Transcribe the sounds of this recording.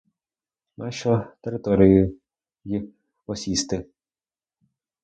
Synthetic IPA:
naʃɔt̪eɾɪt̪ɔɾʲɪjʊ | ji | ɔsʲist̪ɪ

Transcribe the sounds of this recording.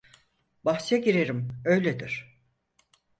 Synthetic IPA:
baxsjaɟiɾeɾimø̞jlʲed̪iɾ̥

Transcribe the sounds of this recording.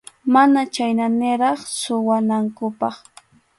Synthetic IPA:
manat͡ʃajnanɪɾɑχsʊwanaŋkʊpɑχ

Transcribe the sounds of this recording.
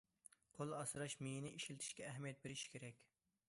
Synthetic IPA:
qʰolˠɑsɨɾɑʃmenɪʔiʃilt̪ʰɪ̥ʃkʲɛːɦmijɛt̪̚beɾɪʃkʲʰeɾɛkʲ

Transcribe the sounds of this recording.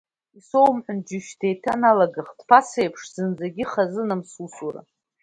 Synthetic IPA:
iso̞wmħʊnd͡ʒʊʃdʰejtʰanalaɡɨχd̥pʰasejpʰʂz̥ɨnd͡zaɡʲɪχazɨnɨmsusura̰

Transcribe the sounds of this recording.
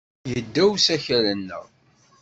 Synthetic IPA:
jəd̪ːæwsæçælənːə̰ʁ

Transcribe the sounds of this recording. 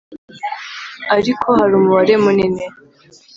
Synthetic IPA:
aɾikʰo̞haɾuːmuβaɾe̞munine

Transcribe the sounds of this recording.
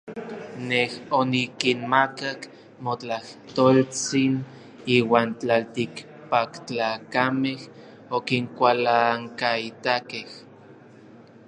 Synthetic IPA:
nehonikinmakak | mot͡ɬaht̪oːlt͡sin | iːwaːnt͡ɬalt̪ik | pakt͡ɬaːkameh | okiŋkʷalaŋkait̪akeh

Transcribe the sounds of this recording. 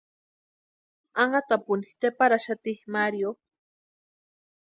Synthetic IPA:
aŋat̪apʊnit̪epaɾaʃat̪ihmaɾjo

